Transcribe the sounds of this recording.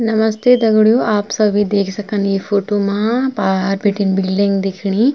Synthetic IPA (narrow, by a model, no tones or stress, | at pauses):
nɐmɐst̪ʰeːd̪ɐɡuɽjuʔaːpsɐʋid̪eːkisɐkːɐniːpʰoːʈumapaːɾbiʈːinbilɖiŋɡd̪ikʰiɳi